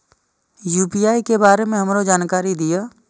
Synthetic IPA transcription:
juːpijaːikebaːɾemẽɦəmɾod͡ʒaːnkaːɾid̪ɪjaː

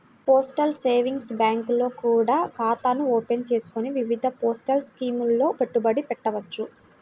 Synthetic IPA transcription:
poːsʈɐlseːʋiŋɡsbaːŋklo̞ːkuːɽaːkaːt̪aːnuoːpent͡ʃe̞ːsu̥koniʋiʋid̪ʱɐpoːsʈɐlskiːmulːo̞ːpeʈːubɐɽipɛʈːɐʋɐt͡ʃːu

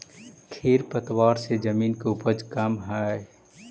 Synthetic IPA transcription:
kʰeːɾpət̪waːɾsed͡ʒəmiːnkeupəd͡ʒkamɦae

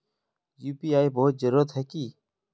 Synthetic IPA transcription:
juːpiːaːiboːt̪̚d͡ʒəɾʊɾət̪ɦɛːkiː

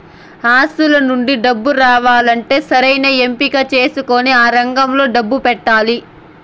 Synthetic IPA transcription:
aːst̪ulɐnuɳɖiɖɐbːuɾaːʋaːlɐɳʈe̞ːsɐɾɐjnɐempiɡat͡ʃe̞ːsuko̞ːniaːɾɐŋɡɐmlo̞ːɖɐbːupɛʈːaːli

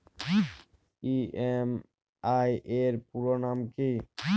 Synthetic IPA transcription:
iem | ajʔeɾpuɾonamki

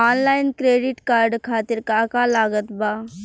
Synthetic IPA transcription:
aːnlaːɪnkɾeːɖɪʈkaːɾɖkʰaːt̪ɪɾkakalaːɡət̪baː

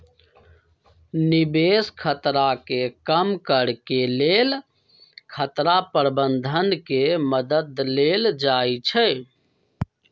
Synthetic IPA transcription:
nibeskʰət̪ɾakekəmkəɾkelel | kʰət̪ɾapəɾbənd̪ʱənkeməd̪əd̪leld͡ʒait͡ʃʰɛ

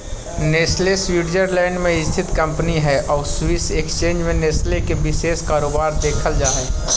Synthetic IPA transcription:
neːsleswiːɖd͡ʒəɾlɛ̃ːɳɖmẽɪst̪ʰɪt̪kə̃mpniɦɛʔɔːɾswɪsekst͡ʃẽːnd͡ʒmẽneːslekebɪseːskaːɾoːbaːɾd̪eːkʰəld͡ʒaːɛː

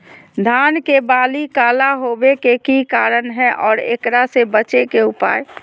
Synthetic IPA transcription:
d̪ʱaːnkebaːlikaːlaɦoːbekekikaːɾənɦɛ̃ʔɔːɾḛːkɾasebət͡ʃekeʊpa̰ːj

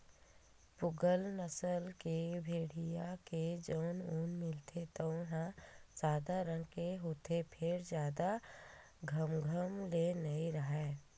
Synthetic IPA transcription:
pʊɡəlnəsəlkebʱeːɽijaked͡ʒoːnunmɪlt̪ʰet̪ɔʊɦãd͡ʒaːd̪aɾə̃ŋɡkeɦoːt̪ʰepʰɪɾd͡ʒjaːd̪a | ɡʱəmɡʱəmlenəĩɾəɦɛ

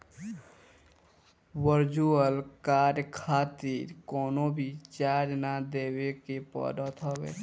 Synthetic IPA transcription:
wəɾd͡ʒuəlkaːɾjəkʰaːt̪iːɾkɔːnõbʱit͡ʃaːɾnad̪eːwekepɔ̰ːɖət̪ʰɔːwḛː

